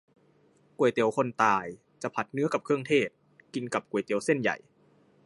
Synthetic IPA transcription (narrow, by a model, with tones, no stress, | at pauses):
ku˨˩əjt̪i˨˩əwkʰo˧nt̪aː˧˩j | t͡ɕa˨˩pʰa˨˦˩t̪̚nɯ˦˥ɐka˨˩p̚kʰɯ˥˩əŋt̪ʰeː˥˩t̪̚ | ki˧nka˨˩p̚ku˨˩əjt̪i˨˩əwse˥˩nja̰˨˩j